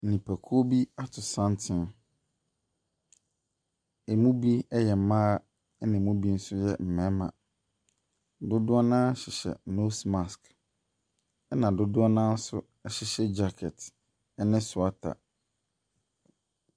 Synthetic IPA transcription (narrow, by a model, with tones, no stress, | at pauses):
nĩ˨pʰæ˨kʰu˦o˦bi˦a˦tʰʊ˨sã˦ntʰɪ̃˦˨n | e˨mũ˦bi˦ɛ˦jɛ˨m̩˨mã˦ | ɛ˦nɪ̃˨mũ˦bi˦n̩˦sʊ˦jɛ˨m̩˨mɛ̃˨˦mã̰˨ | dʊ˦dʊ˦a˦nã˦ɕɪ˨ɕɛ̰˨no˦sma˨sk | ɛ˦nã˨dʊ˦dʊ˦a˦nã˦n̩˦sʊ̰˦ | ɛ˨ɕɪ˨ɕɛ˦d͡ʑa˦kʰɛ˨t | ɛ˦nɪ̃˦sʊ˨a˦tʰa̰˨